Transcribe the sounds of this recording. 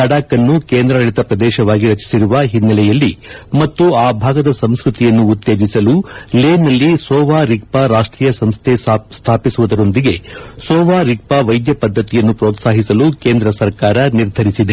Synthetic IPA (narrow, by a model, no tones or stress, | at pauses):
ɐɽaːkɐnːukeːnd̪ɾɐnɐɭit̪ɐpɾɐd̪ɛːʃɐʋaːɡiɾɐt͡ʃi̥siɾuʋɐɦinːɐlɛjɐlːimɐt̪ːuaːbʱaːɡɐd̪ɐsɐmskɾut̪ijɐnːuːt̪ːe̞ːd͡ʒisɐluleːnːɐlːisɔːʋaːɾik̚paɾaːʂʈɾiːjɐsɐmst̪ʰest̪ʰaːpisuʋud̪ɐɾo̞nd̪iɡe̞sɔːʋaːɾik̚paʋɐjd̪jɐpɐd̪ʱːɐt̪ijɐnːupɾoːt̪saːɦisɐlukeːnd̪ɾɐsɐɾkaːɾɐniɾd̪ʱɐɾisid̪e